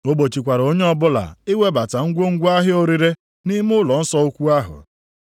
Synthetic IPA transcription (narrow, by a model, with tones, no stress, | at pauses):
o˦bo˨t͡ʃi˨kʷa˨ɾo˦ɲe˦ɔ˦bʊ˦la̰˨ɪ˦we˦ba˨ta˨ŋ̩˦ɡʷo˦ŋ̩˦ɡʷa˦ɦɪ˦o˦ɾi˦ɾe˦ | ni˦m˦ʊ˦lɔ˨n̩˦sɔ˦u˦kʷu˦a˦ɦʊ̰˨